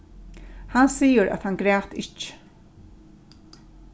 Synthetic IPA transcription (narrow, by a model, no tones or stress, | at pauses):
hansiːəɾæ̰ðhanɡɾɛːft̪ɪt͡ʃː